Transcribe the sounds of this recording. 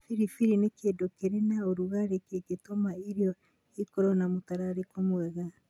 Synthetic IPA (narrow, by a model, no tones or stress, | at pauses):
fiɾifiɾinekedokeɾenaoɾuɣaɾekeketomaiɾiɔ | ekoɾɔnamotaɾaɾekomwɛɣa